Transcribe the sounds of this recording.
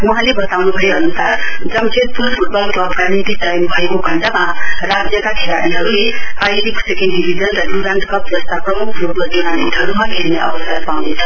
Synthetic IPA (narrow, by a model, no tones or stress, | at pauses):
ɦãlebʌt̪awnubʱʌeɦʌnusard͡zʌmsʰet̪̚pulpʰuʈ̚bʌlkoʌpɡanit̪isʌjnbʱʌekoɡʱʌnd͡zamarad͡zjʌkakʰela̰ɾiɦʌɾuleajɾikʰsekenɖibʱid͡zʌnrʌluɾaɳʈkʌp̚d͡zʌst̪aprʌmukʰrupʌd͡zinanḭʈ̪ɦʌɾumaɡʱerneʔʌ̰bʌsʌrpawnet͡sʰʌ̥